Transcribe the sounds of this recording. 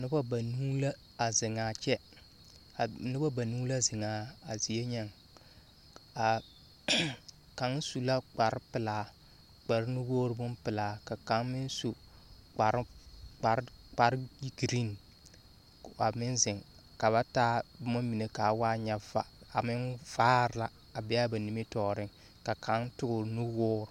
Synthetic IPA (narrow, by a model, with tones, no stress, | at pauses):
nɪ˦ba˦ba˨nu˦la˦ | a˨zɪ˨ŋaː˨t͡ʃɛ˦˨ | nɪ˦ba˦ba˨nuː˦la˦zɪ˨ŋaː˨a˨zi˨je˦ɲɛ˦ŋ | a˨ | ka˨˦ŋ˦su˨la˦k͡pa˨ɾɪ˦pɪ˨laː˨ | k͡pa˨ɾɪ˦nu˦woː˦ɾɨ˦bʊ˦m˦pɨ˨laː˨ka˨ka˨˦ŋmɪ˦nsu˨ | k͡pa˨ɾk͡pa˨ɾk͡pa˨ɾɡɾi˦n˨ | a˨mɪ˦nzɪ˨ŋ | ka˨βa˦taː˦bʊ˦ma˦mi˨ne˨ka˨˦waː˦ɲɛ˦a˨a˨mɪ˦nv̥aː˦ɾla˨ | a˨bɛ˦a˦ba˨ni˦me˦tɔː˨ɾɪ˦ŋ | ka˨kʰa˨˦ŋtʊ˦ɡʊ˨ɾnu˦woː˦ɾʊ˨